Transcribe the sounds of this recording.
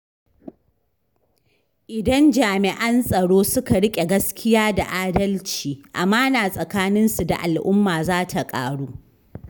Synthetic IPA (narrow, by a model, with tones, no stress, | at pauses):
ʔɪ˨dɐ˦nd͡ʒaː˨mɪ˨ʔɐ˦nsʼɐ˨ɽoː˦sʊ˦ka˨ɽɪ˦kʲʼe˨ɡɐ˦skʲɪ˦jaː˦da̰˨ʔaː˦dɐ˦lt͡ʃiː˨ʔa̰˨maː˦naː˨sʼɐ˨kaː˦nɪ˦nsu˨da̰˨ʔa˨lʔʊ˦mːaː˨zaː˦tʰa˨kʼa̰ː˦ɽuː˦